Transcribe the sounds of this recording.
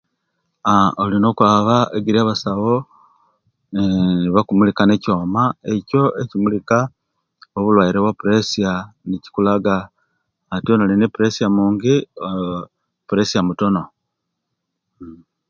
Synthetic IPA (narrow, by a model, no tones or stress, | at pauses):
aolino̞kwaːβaeɡiɾiaβasaβo̞ | niβakumulikane̞co̞ːmae̞co̞e̞cimulika | oβulwaiɾeβwapuɾe̞sianici̥kulaɡaː | tionalinipuɾe̞siamuːŋɡi | puɾe̞siamuto̞no̞